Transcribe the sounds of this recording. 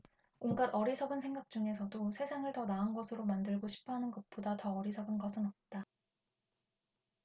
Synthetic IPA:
onɡadʌɾisʰʌɡɯnsʰe̞ŋɡak̚t͡ɕ͈uŋe̞s̬ʰʌdosʰe̞sʰaŋɯɭtʌnaɯnɡʌsʰɯɾomandɯɭɡoɕʰi̥pʰʌɦanɯnɡʌt̚p͈odatʌːɾisʰʌɡɯnɡʌsʰɯnʌp̚t͈a

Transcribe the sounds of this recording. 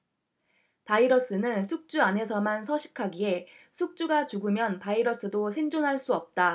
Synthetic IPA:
paiɾʌs͈ɯnɯnsʰuk̚t͡ɕ͈uane̞s̬ʰʌmansʰʌɕʰi̥kʰaɡie̞ | sʰuk̚t͡ɕ͈uɡat͡ɕuɡɯmjʌnpaiɾʌs͈ɯdosʰe̞ŋd͡ʑonɦaɭs͈uʌp̚t͈a

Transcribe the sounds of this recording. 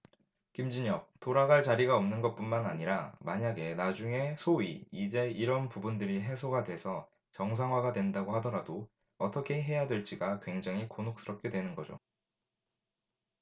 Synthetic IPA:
kimd͡ʑiɲʌk̚t͈oɾaɡaɭt͡ɕaɾiɡaʌmnɯnɡʌt̚p͈unmanaɲiɾamaɲaɡe̞nad͡ʑuŋe̞sʰoiːd͡ʑe̞iɾʌnpubundɯɾiɦe̞sʰoɡadwe̞sʰʌ | t͡ɕʌŋs̬ʰaŋɦwaɡadwe̞ndaɡohadʌɾado | ʌt͈ʰʌkʰe̞ɦe̞jadwe̞ɭt͡ɕ͈iɡakwe̞ŋd͡ʑaŋɦikonɦok̚s͈ɯɾʌp̚k͈e̞dwenɯnɡʌd͡ʑo̰

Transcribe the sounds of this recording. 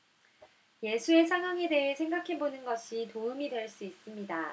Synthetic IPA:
je̞sʰue̞sʰaŋɦwaŋe̞de̞ɦe̞sʰe̞ŋɡakʰe̞bonɯnɡʌɕʰitoɯmidwe̞ɭs͈uis͈ɯmɲida

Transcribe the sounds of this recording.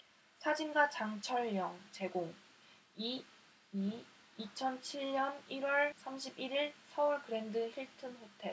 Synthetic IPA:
sʰad͡ʑimɡat͡ɕaŋt͡ɕʰʌɭjʌŋt͡ɕe̞ɡoŋ | i | i | it͡ɕʰʌnt͡ɕʰiɭɲʌniɾwʌɭsʰamɕʰibiɾiɭsʰʌuɭkɯɾe̞ndɯçiɭtʰɯnɸotʰe̞

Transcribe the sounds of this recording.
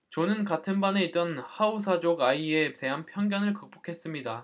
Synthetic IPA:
t͡ɕonɯnkatʰɯnbane̞it̚t͈ʌnhausʰad͡ʑoɡaiete̞ɦanpʰjʌŋɡjʌnɯɭkɯk̚p͈o̥kʰe̞s͈ɯmɲida

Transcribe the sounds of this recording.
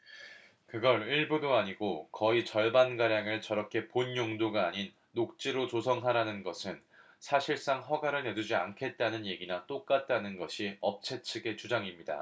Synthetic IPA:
kɯɡʌɾiɭbudoaɲiɡokʌit͡ɕʌɭbanɡaɾjaŋɯɭt͡ɕʌɾʌkʰe̞poɲjoŋdoɡaːɲinːok̚t͡ɕ͈iɾot͡ɕosʰʌŋɦaɾanɯnɡʌsʰɯn | sʰaɕʰiɭs͈aŋɸʌɡaɾɯɭne̞dud͡ʑia̰nkʰe̞t̚t͈anɯnje̞ɡinat͈ok͈̚at̚t͈anɯnɡʌɕʰiʌp̚t͡ɕʰe̞t͡ɕʰɯɡe̞t͡ɕud͡ʑaŋimɲida̰

